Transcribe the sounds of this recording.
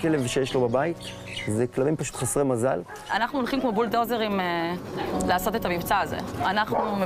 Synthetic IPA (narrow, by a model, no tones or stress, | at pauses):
kelevʃejeʃlobabait̪ | zeklabimpaʃu̥t̪χasʁemaza̰l | anaχnuolχimkmobuldozeʁime | laːso̞t̪et̪amimt͡saːzḛanaχnum